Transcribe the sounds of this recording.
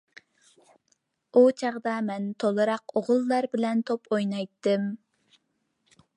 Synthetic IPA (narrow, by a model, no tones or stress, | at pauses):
ut͡ʃʰɑʁd̪ɑmɛnt̪ʰolˠɨɾɑqoʁʊlˠːɑɾbɪlɛnt̪ʰopojnɑjt̪ːɨm